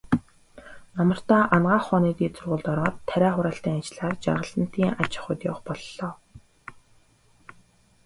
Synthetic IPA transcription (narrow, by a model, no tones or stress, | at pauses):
namə̆r̥t̪aːʔanɢaːχɔːniːt̪iːt͡sɵrʁʊːɮt̪ɔɾɔːt̪ʰːæɾʲæːχʊɾaːɬt̪iːŋat͡ɕɮaːrt͡ɕa̰rʁə̆ɬə̆n̥t̪iːŋʔat͡ɕɪ̆χʊ̆t̪jʊ̰wχpɔɮːɔː